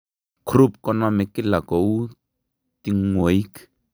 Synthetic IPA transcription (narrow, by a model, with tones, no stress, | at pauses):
kʰru˦pkɔ˦nɔ˦mɛ˨kɪ˦la˨kɔ˨u˦ | ti˦ŋo˨i˦k